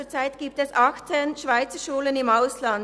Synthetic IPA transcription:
ət͡saɪtɡ̥iːp̚tɛsʔɑxt͡sənʃv̥aɪt͡səʃuːlənɪmaʊslɑn

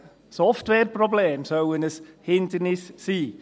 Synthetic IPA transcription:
sɔftwɛrpʰrɔblɛmsowənəshɪndɪnɪssiː

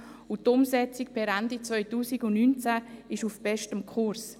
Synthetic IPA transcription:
ʊtʊmsɛt͡sik̚pʰɛɾɛndit͡svœʏtuːsiɡʊnnynt͡sæɪʃufb̥ɛʃtəmkʰʊɾs

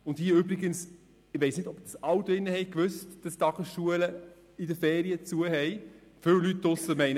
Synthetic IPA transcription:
ʊndhiəʏbɾiɡəns | ɪvɛɪsnɪdɔbd̥ɑsɑwtoɪnːəhɛɪkvøstd̥ɑstɑɡəsʃuələ | ɪdəfeːɾiət͡suəɦɛj | fʏlytːʊsəmɛɪn

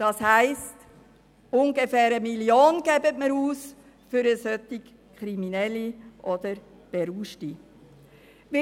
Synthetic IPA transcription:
d̥ɑshæɪst | ʊnɡefɛːɾəmiljoːnɡ̥ɛbətməɾuːs | fyɾəsœt̪ik | kχɾiminɛlːiʔɔd̥əɾ | b̥eɾuːʃti | ʋɪ

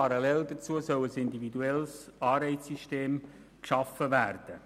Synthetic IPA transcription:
ɑɾɑlɛldət͡suəsœwəsɪnd̪ivid̪uɛlsɑːɾbɛɪtsiʃteːm | kʃɑfəvæːrd̥ə

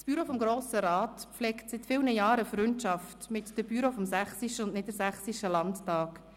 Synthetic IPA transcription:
sb̥yɾofɔmɡɾoːsəɾɑːtpflɛːktsɪtfɪlnəjɑːɾəfɾʏntʃɑftmɪtd̥əb̥yɾofɔmsæχsiʃəʊndnɪdəɾsæχsiʃəlɑnttɑːk

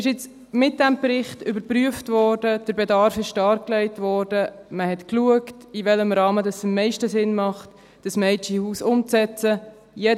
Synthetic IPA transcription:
ɪʃɪt͡s | mɪt̚d̥æmpɾɪχtʏbəɾpryəftvɔːɾdəd̥əɾbeɛdɑɾfɪʃtɑɾklɛɪtvɔːɾdəməhɛtkluəktivɛləmɾɑːmədɑsɪmːɛɪʃtəsɪnmɑχt | d̥ɑsmɛɪt͡ʃihuːsʊmt͡sɛt͡sə | jɛ

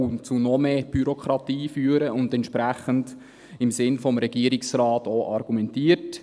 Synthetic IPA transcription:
unt͡sunɔmeːb̥yɾokʰɾɑtiːfyːəɾəʊndɛntʃpɾæχənd | ɪmsɪnfɔmɾɛɡ̥iəɾɪksɾɑːtoʔɑɾɡ̥umɛntiːəɾt

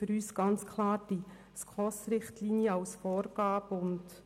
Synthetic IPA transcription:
əɾyːsɡ̥ɑnt͡skʰlɑːɾd̥i | skʰɔsɾɪχtliːnjəɑwsfɔːɾɡ̥ɑːpʊnt

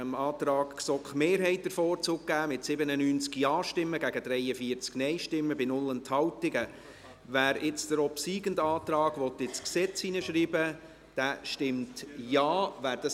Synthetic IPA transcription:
əmɑːtɾɑːkksɔkχmeːɾɦɛɪt̚d̥̪əɾfɔːɾt͡suk̚ɡ̥æːmɪtsɪbənənyːnt͡skjɑːʃtɪmːəɡæɡəd̥ɾɛɪəfiːəɾt͡sknɛɪʃtɪmːəbɪnʊlːənt̪hɑwtɪɡə | væːɾɪt͡sd̥əɾɔpsiːɡəndɑːt̪rɑːɡʋɔt̪ːɪt͡sksɛt͡siːnəʃɾiːbə | d̥æʃtɪmtjɑːvæːɾd̥ɑ

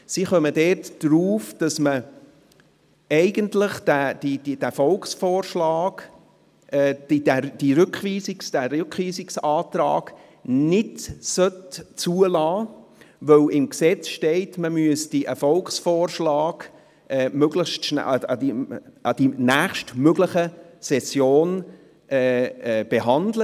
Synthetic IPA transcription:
siχœmədɛːtd̥ɾuːfd̥ɑsmə | ɛɪɡəntləχd̥æd̥idid̥æfɔlkχsfɔːɾʃlɑːɡ̥ | ɛːd̥id̥æd̥iɾʏkχʋiːsɪksd̥æɾøkχʋiːsɪksɑːt̪ɾɑ̰ːɡ̥ | nɪdsœtt͡suəlɑːvœwlɪmksɛt͡sʃteɪtməmyəsd̥iʔɛfɔlkχsfɔːrʃlɑːɡ̥ | ʔɛːmøɡləʃtʃn̰diɑd̥inæːχʃtmøɡləχəsɛsjoːn | ʔɛːb̥eɦɑndlə

